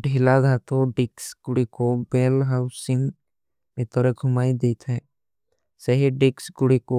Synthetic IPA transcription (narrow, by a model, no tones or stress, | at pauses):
ɖʱilad̪ʱat̪oɖɪksɡʊɽikobelɦaʊsɪŋ | mɪt̪ɔɾeɡʰʱʊmaːid̪et̪ʰɛ | seɦiɖɪksɡʊɽiko